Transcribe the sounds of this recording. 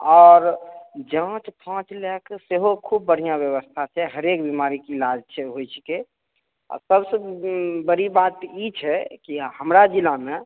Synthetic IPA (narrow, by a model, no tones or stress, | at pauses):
ɔːɾd͡ʒə̃t͡ʃpʰãt͡ʃlɛkseɦokʰub̚ːəɽ̤ijabjəʋəst̪ʰasɛɦəɾekbimaɾikilad͡ʒt͡ʃʰɛɦojt͡ʃʰi̥ke | a̰səbsəbəɾibat̪it͡ʃʰɛkihəmɾad͡ʒilame